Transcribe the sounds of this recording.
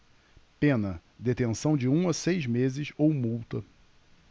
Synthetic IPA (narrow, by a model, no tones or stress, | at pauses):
pẽnɐd̪et̪ẽsɐ̃w̃d͡ʒɪũɐsejzmezɪsowmuwt̪ɐ